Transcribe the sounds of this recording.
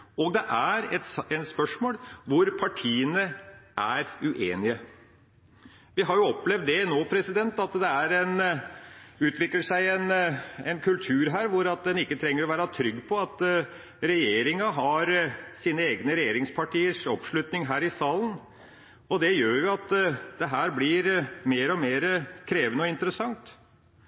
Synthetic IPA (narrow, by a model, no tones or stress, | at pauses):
ɔɡd̪ɛʔæɾɛt̪ɛnspœʂmoːlʋʊɾpʰɑʈʰiːənəʔæɾʉʔeːnɪə | ʋɪɦɑɾjʊɔpːlɛvd̪ːɛnoːpʰɾɛsɪd̪ɛnt̪ɑt̪d̪ɛæɾɛn | ʉːt̪ʰʋɪkləʂæɪɛnɛnkʰʉlt̪ʰʉːɾɦæːɾʋʊɾɑt̪̚d̪ɛnɪkːət̪ʰɾɛŋːəɾɔʋæːɾɑt̪ʰɾʏɡːpʰɔɑt̪ | ɾɛjeːɾɪŋɑɦɑɾsiːnəeːɡnəɾɛjeːɾɪŋspʰɑʈiːəʂɔpʂɭʉt̪nɪŋɦæːɾɪsɑːlən | ɔd̪ɛjøːɾjʊɑt̪d̪̥ɛɦæːɾblɪɾmeːɾɔmeːɾəkʰɾeːʋənəɔɪnt̪əɾəsɑŋt̪